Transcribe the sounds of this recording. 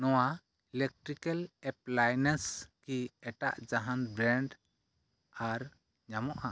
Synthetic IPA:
nɔwa | ɛlɛk̚ʈɾikɛlɛplajnɛskiɛʈaʔd͡ʒaɦanbɾɛɳɖ | aɾ | ɲamɔʔa

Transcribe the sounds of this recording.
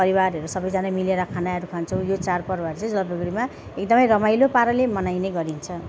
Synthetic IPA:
pʌɾibaɾɦʌɾusʌbʌjd͡zanamileɾʌkʰanaʌɾukʰant͡sʰʌw̃jot͡sarpʌrbaɾt͡sʌ̃d͡zʌlʌbʌɡɽima | ek̚d̪ʌmʌjɾʌmajlopaɾʌlemʌnajneɡʌɾint͡sʰʌ

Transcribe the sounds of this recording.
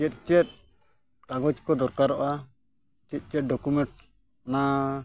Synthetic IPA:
t͡ʃɛt̪̚ˀt͡ʃɛt̪̚ | kaɡɔd͡ʒkɔd̪ɔɾkaɾɔʔa | t͡ʃɛt̪̚ˀt͡ʃɛt̚ɖɔkumɛɳʈ̚ | na

